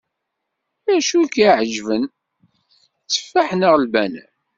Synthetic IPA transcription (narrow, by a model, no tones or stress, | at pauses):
æʃukːiʕəʒvən | t͡sːə̥fːaħnəʁlbænæ̰